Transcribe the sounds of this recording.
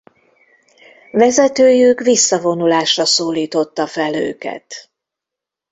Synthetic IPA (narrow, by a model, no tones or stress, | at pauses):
vɛzɛt̪øːjykvisːɒvo̞nulaːʃrɒsoːliːt̪o̞t̪ːɒfɛlø̰ːkɛ̰t̪